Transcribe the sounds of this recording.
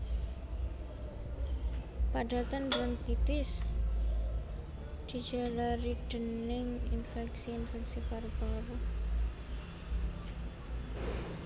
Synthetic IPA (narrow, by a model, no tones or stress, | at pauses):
paɖa̤t̪anbɾankit̪ɪs | d̪̥i̤̥d͡ʒalaɾiɖ̥ənnɪŋḭnfɛksiːnfɛksipaɾb̥aɾu